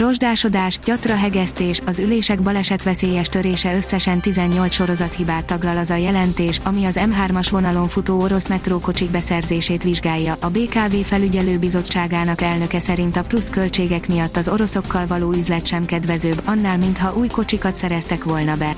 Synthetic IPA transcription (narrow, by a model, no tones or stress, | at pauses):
ro̞ʒd̪aːʃo̞d̪aːʃɟ̥ɒt̪rɒɦɛɡɛst̪eːʃɒzyleːʃɛɡbɒlɛʃɛt̪ʋɛseːjɛʃt̪øɾeːʃɛø̞sːɛʃɛnt̪izɛɲːo̞lsʃo̞ɾo̞zɒt̪hibaːt̪ːɒɡlɒlɒzɒjɛlɛnt̪eːʃɒmiɒzɛmɦaːrmɒʃʋo̞nɒlo̞ɱfuoːo̞ɾo̞smɛt̪roːko̞t͡ʃiɡ̚bɛsɛrzeːʃeːt̪ʋiʒɡaːjːɒʔːbeːkaːveːfɛlyɟɛløːbizo̞t͡ʃːaːɡaːnɒkɛlnø̞kɛsɛɾint̪ɒpluskølt͡ʃeːɡɛkmijɒt̪ːɒzo̞ɾo̞so̞kːɒlvɒloːyzlɛt̪ʃɛmkɛd̪ʋɛzøːbɒnːaːlmint̪hɒʔuːjko̞t͡ʃikɒt̪sɛɾɛst̪ɛkʋo̞lnɒbɛ